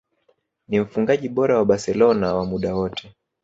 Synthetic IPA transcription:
nim̩fuŋɡaʄiɓɔɾawaɓasɛlɔnawamuɗawɔtʰɛ

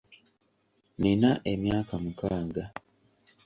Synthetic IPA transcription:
ninaʔe̞mjaːkamukaːŋɡa

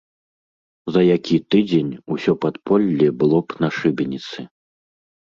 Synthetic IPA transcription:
zɐjakʲʰit̪ɨd͡zʲenʲusʲɔpat̪pʰɔlʲːɛbɨlˠɔpnaʂɨbʲɛnʲit̪sɨ

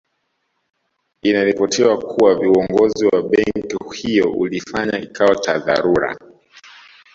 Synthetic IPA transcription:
inaɾipɔtʰiwakʰuwaviɔŋɡɔziwaɓɛŋkihijɔʔṵlifaɲaikʰawat͡ʃaða̰ɾuɾa̰

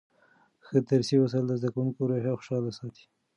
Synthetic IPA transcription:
xəd̪aɾsiwasald̪əzd̪akawuŋkoɾoɦaxʊ̥ʃɑlasɑt̪i̥

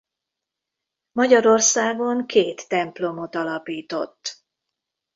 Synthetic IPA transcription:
mɒɟɒɾo̞rsaːɡo̞ŋkeːt̪ːɛmplo̞mo̞t̪ɒlɒpiːt̪o̞̰t̪ː

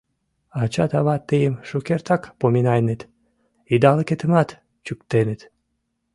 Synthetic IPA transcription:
ɑt͡ɕɑt̪ɑβɑt̪ːejəmʃukert̪ɑkpominɑjnet̪ | id̪ɑləket̪əmɑt̪ | t͡ɕyk̚t̪enet̪

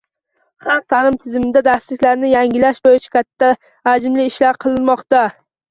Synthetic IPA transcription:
hamt̪ʰalɪmt̪ʰɪzmɪd̪ad̪aslɪkʲlaɾnɪjaŋʲɪlaʃbojɪt͡ʃʰḁkʲʰat̪ʰːaː | d͡ʒmlɪɪʃlaɾqʰɨlˠɪnmɒqt̪a

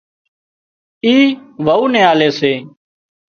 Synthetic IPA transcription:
iːʋauːnẽːaːleːseː

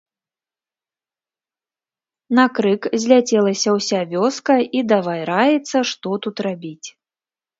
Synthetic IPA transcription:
nɐkɾɨkzʲlʲat͡sʲɛlˠɐsʲɐwsʲavʲɔskɐid̪avajɾajɛt̪sːɐʂt̪ɔt̪ut̪rabʲit͡sʲ

